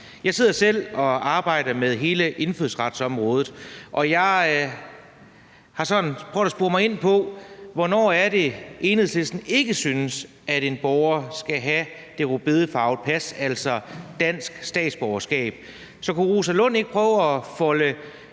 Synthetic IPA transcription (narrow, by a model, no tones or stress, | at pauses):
jɑ̈ɪse̝ð̞̰ˠɐsel̰ɒ̽ɑ̈ːb̥ɑ̈ɪ̰ɾɐmeðˠɦe̝ːləʔe̝nfyðˠsʁɑ̈d̥sɒ̽mʁɔ̽ːðˠð̩ˠʔɒ̽jɑ̈ɪ | hɑ̈sɒ̽n̩pʰʁœʊɐsb̥uːɐmɑ̈ɪe̝n̰pʰɒ̽ʋɒnɒ̰ːæɐde̝ʔe̝ːnheðˠsle̝sd̥n̩e̝ɡ̥əsynəs | æɾe̝nb̥ɒʊɐsɡ̥æɦæ | d̥e̝ʁub̥eðˠəfɑ̈ʊð̥̚ˠpʰæsæl̰sɒ̽d̥æn̰sɡ̥sd̥ɛ̰ːd̥sb̥ɒʊɐsɡ̥ɛ̰ːb̥̚ | sɒ̽kuʁusælɔ̽n̰e̝ɡ̥əpʰʁœːʊɒfɒ̽lə